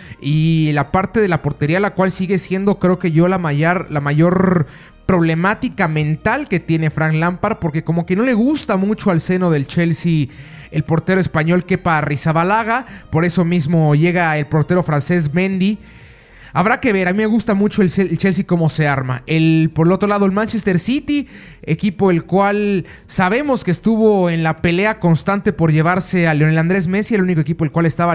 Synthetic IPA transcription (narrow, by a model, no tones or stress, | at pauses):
ilapaɾt̪e̞ð̞e̞lapo̞ɾt̪e̞ɾialakwalsiɣe̞sje̞nd̪o̞kɾe̞oke̞ʝo̞lamaʝaɾlamaʝo̞ɾ | pɾo̞β̞le̞mat̪ikamẽ̞nt̪alke̞t̪je̞ne̞fɾaŋklampaɾopo̞ɾke̞ko̞mo̞ke̞no̞le̞ɣust̪amut͡ʃo̞alse̞no̞ðe̞lt͡ʃe̞lsi | elpo̞ɾt̪e̞ɾoespaɲo̞lke̞parisaβalaɣapo̞ɾe̞so̞mizmo̞ʝe̞ɣae̞lpo̞ɾt̪e̞ɾo̞fɾanse̞z̬mẽ̞nd̪i | aβɾake̞β̞e̞ɾamime̞ɣust̪amut͡ʃoelelt͡ʃe̞lsiko̞mo̞se̞aɾmae̞lpo̞ɾelo̞t̪ɾo̞laðo̞elmãnt͡ʃe̞st̪e̞ɾsit̪i | e̞kipo̞e̞lkwal | saβe̞mo̞skest̪uβo̞enlape̞le̞ako̞nst̪ant̪e̞po̞ɾʝe̞β̞aɾse̞aleo̞neland̪ɾe̞zme̞sie̞lunik̬oe̞k̬ipolkwale̞st̪aβa